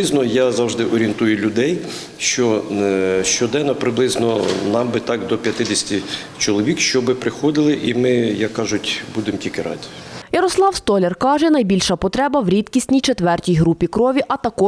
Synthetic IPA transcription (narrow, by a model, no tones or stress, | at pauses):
ɪznɔjazɑwʒd̪ɪʔɔɾʲient̪ujʊlʲʊd̪ɛj | ʃt͡ʃɔ | ʃt͡ʃɔd̪ɛnːɔpɾɪblˠɪznɔnɑmbɪt̪ɑkd̪ɔpʲjɐt̪ɪd̪ʲɪsʲtʲi | t͡ʃɔlˠɔʋʲikʃt͡ʃɔbɪpɾɪxɔd̪ɪlˠɪʔimɪjɐkːɑʒʊtʲbud̪emtʲikɪɾɑ̰d̪ʲijɐɾɔslˠɑwst̪ɔlʲerkɑʒɛnɐjbʲilʲʃɐpɔt̪ɾɛbɐwɾʲit̪kʲisʲtʲnʲijt͡ʃet̪ʋɛrtʲijɦɾupʲikɾɔʋʲiʔɐt̪ɐkɔ